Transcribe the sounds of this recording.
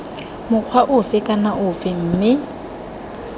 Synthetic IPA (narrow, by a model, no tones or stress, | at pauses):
mʊq͡χʰwaʔʊfɪkʼanaʔʊfɪm̩ːmɪ